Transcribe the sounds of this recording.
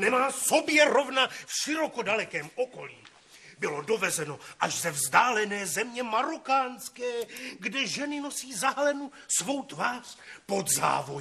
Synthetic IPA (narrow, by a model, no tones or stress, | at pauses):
nɛmaːso̞bjɛɾo̞vnafʃɪɾo̞ko̞dalɛkɛːmoko̞lḭː | bɪlo̞do̞vɛzɛno̞ʔaʃzɛvzdaːlɛnɛːzɛmɲɛmaɾokaːnskɛːɡdɛʒɛnɪno̞siːzaɦlɛnu | svo̞wt̪vaːr̥po̞d̪za̰ːvo̞j